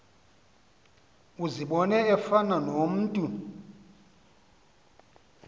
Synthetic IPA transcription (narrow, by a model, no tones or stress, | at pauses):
uziɓɔnɛɛfananom̩ːtʼu